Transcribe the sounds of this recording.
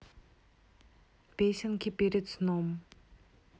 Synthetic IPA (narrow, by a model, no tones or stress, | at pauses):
peɕaŋkʰiperet͡snom